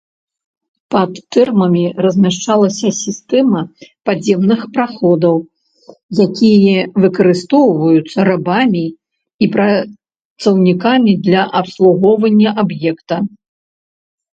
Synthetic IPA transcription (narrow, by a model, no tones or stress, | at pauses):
pɐt̪ːɛrmɐmʲirɐzʲmʲaʂt͡ʂalˠɐsʲɐsʲist̪ɛmɐpad͡zʲɛmnɨxpɾaxɔd̪ɐw | jakʲijɛvɨkɐɾɨst̪ɔwvɐjut̪sːɐɾabamʲi | ipɾɐ | t̪sɐwnʲikamʲid̪lʲɐʔɐpslˠuɣɔwvɐnʲːɐʔabjɛkt̪ɐ